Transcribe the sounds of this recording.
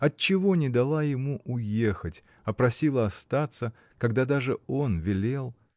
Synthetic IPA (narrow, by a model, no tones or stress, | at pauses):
ɐt̚t͡ɕːɪvo̞nʲɪd̪ɐlˠajɪmuʔʊjexətʲ | ɐpɾɐsʲilˠəɐst̪at̪sə | kɐɡd̪ad̪aʐɨo̞nvʲɪlʲelˠ